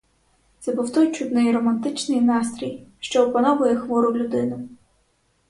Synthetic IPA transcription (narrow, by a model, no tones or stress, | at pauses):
t̪sɛbuwt̪ɔjt͡ʃud̪nɛjrɔmɐnt̪ɪt͡ʃnɪjnɑst̪ɾʲijʃt͡ʃɔɔpɐnɔʋʊjɛxʋɔɾʊwlʲʊd̪ɪnʊ